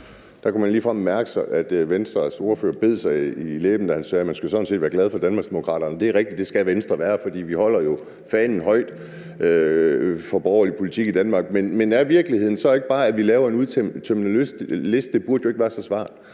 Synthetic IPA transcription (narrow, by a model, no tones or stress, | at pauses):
d̥ɑkʰumænliːfʁɑm̰mæɐɡ̥əsɑʔæd̥ʋensd̥ʁɐso̝ːɐfø̰ːɐb̥e̝ð̞̰ˠsɑ̈ɪilḛːb̥n̩d̥æhænsɛːmænsɡ̥usɒ̽d̥n̩se̝ːd̥ʋæːɐɡlɛð̞ˠfɒ̽d̥ænmɑ̈ɡ̥d̥emokʰʁɑ̰̈ːɾ̥ɐnəd̥e̝æɐʁɛɡ̥d̥id̥d̥e̝sɡ̥æʋensd̥ʁɐʋæːɐfɒ̽d̥ḭːʋihɒ̽l̰ɐjo̝ | fɛnn̩ɦɒ̽ɪ̰d̥ | ʔø | fɒ̽b̥ɒʊɐlipʰo̝lit͡sʰiɡ̥id̥ænmɑ̈ːɡ̥̚menmenæɐʋiɐɡ̥liheð̰ˠn̩sɒ̽e̝ɡ̥əb̥ɑ̈ːædʋilɛːʊɐe̝nuðˠt͡sʰt͡sʰæminlysle̝sd̥̚d̥e̝b̥uɐd̥joe̝ɡ̥ʋæːɐsɒsʋɑ̰̈ːd̥ˠ